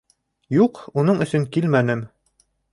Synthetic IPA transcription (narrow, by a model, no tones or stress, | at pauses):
juqunɤɴɵ̆sɵŋkilmænɘm